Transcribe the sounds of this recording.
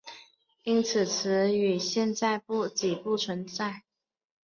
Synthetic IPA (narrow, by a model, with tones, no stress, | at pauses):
i˥nt͡sʰɹ̩˨˩t͡s̩ʰ˧˥y˨˩ɕjɛ˥˧nt͡sa˥˧ɪpu˥˩t͡ɕi˨˩pu˥˩t͡sʰwə˧˥nt͡sa˥˩ɪ